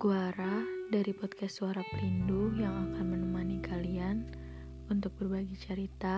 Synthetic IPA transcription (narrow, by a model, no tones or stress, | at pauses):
ɡuaɾadaɾipɔt̪kɛssuaɾapəlindujaŋakanmənəmanikʰalian | unt̪ʊk̚bərbaɡit͡ʃəɾit̪a